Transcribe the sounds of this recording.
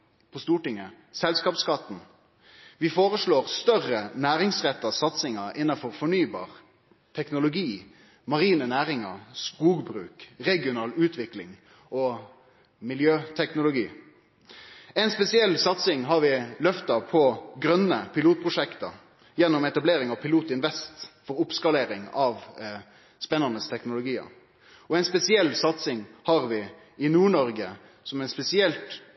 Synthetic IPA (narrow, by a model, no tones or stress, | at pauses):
pʰɔst̪uːʈɪŋːə | sɛlskɑːpskɑt̪ːn̩ | ʋɪfoːʁəʂɭoːʁst̪œʁənæːɾɪŋsʁɛt̪ːɑsɑt̪sɪŋɑɪnːɑnfɔʁfɔɳyːbɑ̰ːʁ | t̪ʰɛknʊlʊɡiː | mɑʁiːnənæːɾɪŋɑ̰skuːɡbɾʉ̰ːkʁɛɡɪʊnɑːlʉːt̪ʰʋɪklɪŋ | ɔ | mɪljøːt̪ʰɛknʊlʊɡḭː | æɪnspɛsɪɛlːsɑt̪sɪŋɦɑɾʋɪlœft̪ɑpʰɔɡɾœnːəpʰɪluːt̪̚pʰʁʊʂɛkt̪ɑ | jɛnːʊmɛt̪ɑbleːɾɪŋɑʋpʰɪluːt̪ɪnʋɛst̪fɔɾʊpskɑleːɾɪŋɑʋ | spɛnːɑnəst̪ʰɛknʊlʊɡiːə̰ɾ | ɔɛɪnspɛsɪɛlsɑt̪sɪŋhɑɾʋɪ | ɪnuːɳɔɾɡə | sɔmæɪnspɛsɪɛlt̪